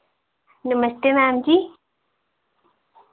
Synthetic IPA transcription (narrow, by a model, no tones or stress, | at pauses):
numɐst̪emaːmd͡ʑi